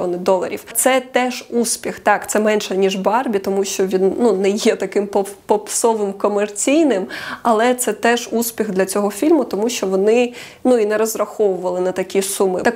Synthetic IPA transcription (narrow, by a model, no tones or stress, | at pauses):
ɔ̰nɪd̪ɔlˠɐ̰ɾʲḭwt̪sɛt̪ɛʒuspʲixt̪ɑkt̪sɛmɛnʲʃɛnʲiʐbɑrbʲit̪ɔmuʃt͡ʃɔʋʲinnunɛjɛt̪ɐkɪmpɔpɔpsɔʋɪmkɔmert͡sʲijnɪmɐlˠɛt̪sɛt̪ɛʒuspʲiɣd̪lʲɐt͡sʲɔɦɔfʲilʲmʊt̪ɔmuʃt͡ʃɔʋɔnɪ | nuinɛɾɔzrɐxɔʋʊʋɐlˠɪnɐt̪ɐkʲisumɪ̰t̪ɐ